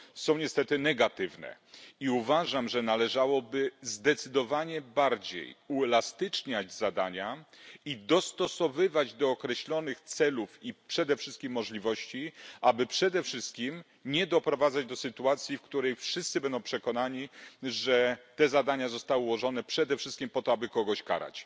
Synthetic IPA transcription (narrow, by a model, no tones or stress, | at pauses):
sɔ̃w̃ɲɛst̪ɛt̪ɘnɛɡat̪ɘvnɛ̰ | iuvaʐamʐɛnalɛʐawɔbɘzd̪ɛt̪sɘd̪ɔvaɲɛbaɾd͡ʑḛjuɛlast̪ɘt͡ʂɲad͡ʑzad̪aɲaid̪ɔst̪ɔsɔvɘvad͡ʑd̪ɔːkɾɛɕlɔnɘxt̪sɛlufipʂɛd̪ɛfʂɘst̪kʲimːɔʐlʲivɔɕt͡ɕiʔabɘpʂɛd̪ɛfʂɘst̪̚kʲim | ɲɛd̪ɔpɾɔvad̪zad͡ʑd̪ɔsɘt̪uat̪sʲjifkt̪uɾɛjfʂɘst̪sɘbɛnd̪ɔ̃w̃ʂɛkɔnaɲiʐɛt̪ɛzad̪aɲazɔst̪awɘuwɔʐɔnɛpʂɛd̪ɛfʂɘst̪̚kʲimpɔt̪ɔabɘkɔɡɔɕka̰ɾa̰t͡ɕ